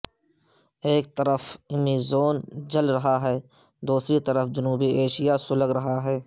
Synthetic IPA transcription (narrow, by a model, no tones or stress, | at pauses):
eːk̚t̪ɐɾəfɪmizoːnd͡ʒɐlɾɐɦaɦɛː | d̪uːsɾit̪ɐɾəfʰd͡ʒɐnuːbieːʃijasʊləɡɾɐɦaɦɛː